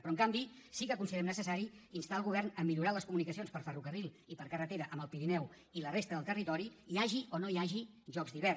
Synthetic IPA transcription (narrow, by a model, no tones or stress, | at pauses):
pɾɔŋkambisikəkunsiððɾɛmnəsəsaɾiinst̪aəlˠɣuβɛrnəmːiʎuɾaləskumunikəsionspəɾfərukərilˠ | ipəɾkərət̪eɾəʔəməlˠpiɾinɛw | ilərest̪əðəlˠt̪ərit̪ɔɾiiaʒiʔonoiaʒi | ʒɔkzðiβɛr